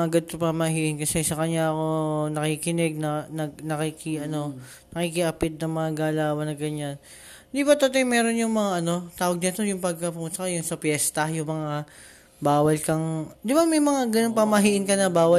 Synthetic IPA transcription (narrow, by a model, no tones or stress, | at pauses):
ʔɐɡad̪̚p̪ɐpɐmɐɦiːʔɪnkɐsɛsɐkɐɲːaʔɐko̞nɐkikɪnɛɡ̚nɐnɐɡ̚nɐkikiʔɐno̞ | nɐkikɪʔɐpɪt̪̚nɐŋmɐŋaɡaːlaːwɐnɐɡɐɲan | ɪnd̪ibɐt̪ɐt̪omɛːɾo̞njʊŋmɐŋaʔɐno̞t̪aːwɐɡ̚ɲɐt̪o̞jʊŋpɐɡ̚kɐpʊŋʊt̪sɐkɐjʊnsɐpjɛst̪ɐjʊŋmɐŋa | baːwɐlkɐŋd̪ɪbamɛjmɐŋaɡɐnoŋpɐmɐɦiːʔɪnkɐnɐbaːwɐ